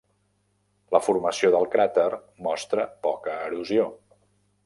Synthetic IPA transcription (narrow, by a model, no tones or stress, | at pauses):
ləfuɾməsioðəlˠkɾat̪ər | mɔst̪ɾəpɔkəːɾuzio